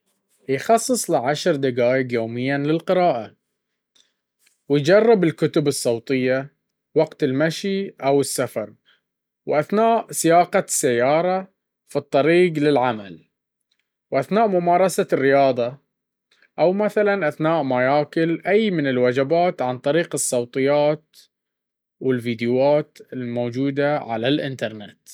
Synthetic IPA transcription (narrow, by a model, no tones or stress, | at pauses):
jxɑsˤːɨsˤlɪʕaʃɾˤd̪aɡaːjɪɡjoːmɪjːanlɪlqɪɾɑːʔa | wɪjd͡ʒɑrˤːɪbɪlkʊt̪ʊbɨsˤːɑwt̪ˤɨjːa | wɑɡt̪ɪlmaʃiʔawɪsːafɑɾˤ | wʔaθnaːʔsɪjaːqɑsːajːɑːɾˤɑ | fit̪ˤːɑɾiːɡlɪlʕamal | wʔaθnaːʔmʊmɑːɾˤɑsarːɪjɑːðˤɑ | ʔawmaθalanʔaθnaːʔmajaːkɪlʔajmɪnɪlwad͡ʒabaːt̪ʕant̪ˤɑɾiːqɨsˤːɑwt̪ˤɨjːaːt̪ | wɪlviːd̪ɪwaːt̪ɪlmoːd͡ʒuːd̪aʕa̰lalʔɪ̰nt̪ɑɾˤnɪ̰t̪